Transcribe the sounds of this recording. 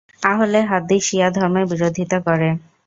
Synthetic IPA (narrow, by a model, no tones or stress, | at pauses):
aɦoleɦad̪iʃijad̪ʱɔɾmebiɾod̪ʱit̪okɔɾe